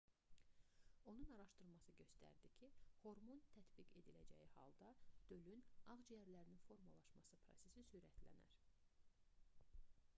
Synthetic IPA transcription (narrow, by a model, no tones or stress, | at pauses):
o̞nunɑɾɑʃt̪ɯɾmɑsɯɟø̞st̪æ̰ɾd̪icʰiho̞ɾmont̪ʰæt̪biɡe̞d̪ilæ̰d͡ʒæ̰jihɑ̰lˠd̪ɑd̪̥ø̞lynɑʁd͡ʒijæɾlæɾininfo̞ɾmulˠɑʃmɑsɯpʰɾo̞̰se̞sisyɾæt̪ʰlæ̰næ̰ɾ